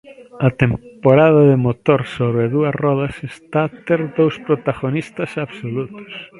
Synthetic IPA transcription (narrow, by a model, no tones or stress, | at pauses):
ɐt̪empoɾaðɐðɪmot̪oɾsoβɾɪðuɐsrɔðɐsest̪at̪eɾðowspɾot̪aɣonist̪ɐsaβsolut̪ʊ̥s